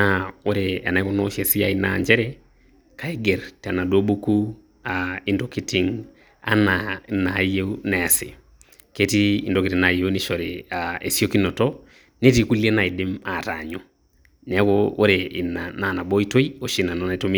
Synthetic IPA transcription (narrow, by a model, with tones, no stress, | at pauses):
ao˦ɾea̰˨na˨i˦kɔ˦nɔ˦ʃe˨si˦ja˨inaɲd͡ʒɛ˦ɾɛ | ka˨i˦ɡe˨ɾta˨na˨do˦bu˦ku˦ | ai˦ndoki˦ti˨ŋ | a̰˦nana˨je˦unɛ˨sɪ̰˨ | ke˦tiː˦˨ndo˨ki˨ɾi˨na˨je˦u˦ni˦ʃɔ˨ɾeae˨sjo˦ki˦nɔ˨tɔ˦ | ne˦ti˦ku˦lie˦na˨i˨dɪ˦ma˨ta̰˨ɲo˨ | n˨ɛ˦koo̰˦ɾe˨nana˨na˨bo˦i˦to˦i˦o˦ʃi˦na˨nɔnaito˦mi˦